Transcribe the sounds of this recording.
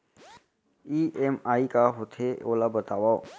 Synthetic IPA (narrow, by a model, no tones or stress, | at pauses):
iːʔemaːikaɦot̪ʰeoːlabət̪aːʋaːo